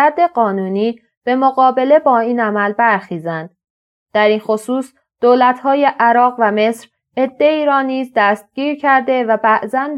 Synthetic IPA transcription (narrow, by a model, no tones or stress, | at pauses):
æɾd̪e̞ɢɒːnuːniː | b̥e̞moɣɒːbe̞le̞bɒːiːnæmælbæɾxiːzænd̪̥ | d̪̥æɾiːnxosuːs | d̪̥oːlæt̪ʰhɒːje̞ʔæɾɒːɣvæme̞sɾ | e̞d̪ːe̞iːɾɒːniːzd̪æst̪̚ɟ̥iːɾcʰæɾd̪e̞væbæʔzæn